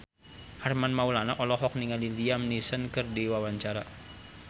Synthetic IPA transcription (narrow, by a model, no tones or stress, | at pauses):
harmanmaulanaʔɔlɔɦɔk̚niŋaliliamnisənkərdiwawaɲt͡ʃaɾa